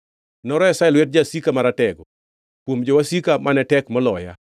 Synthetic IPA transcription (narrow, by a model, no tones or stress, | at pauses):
nɔɾɔɛsaɛlwɛt̚d͡ʒasikamaɾatɛɡɔ | pwomd͡ʒɔwasikamanɛtɛkmɔlɔja̰